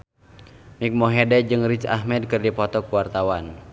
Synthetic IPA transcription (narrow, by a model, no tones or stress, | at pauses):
mik̚mɔɦɛdɛd͡ʒɨŋrit͡ʃa̰hmɛd̚kɨrdipɔt̪ɔkuwart̪awan